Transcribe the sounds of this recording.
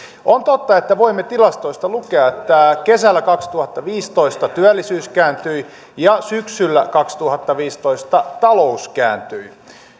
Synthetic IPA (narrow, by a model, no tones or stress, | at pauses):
ont̪ot̪ːɑet̪ːæʋoimːet̪ilɑst̪oist̪ɑlukeɑet̪ːækesælːækɑkst̪uhɑt̪ːɑʋiːst̪oist̪ɑt̪yælːisyːskæːnt̪yi | jɑsyksylːækɑkst̪uhɑt̪ːɑʋiːst̪oist̪ɑt̪ɑlouskæ̰ːnt̪yi